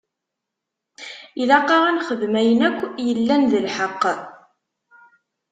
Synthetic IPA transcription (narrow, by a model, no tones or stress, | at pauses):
iðɑqːɑʁænχəðmæjənækʷːjəlːænðəlħəqː